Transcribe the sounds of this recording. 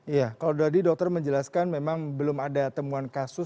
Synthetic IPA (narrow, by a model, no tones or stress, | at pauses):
ijakaladadidɔk̚t̪ərməɲd͡ʒəlaskanmemaŋbəlʊmadat̪əmuankasʊ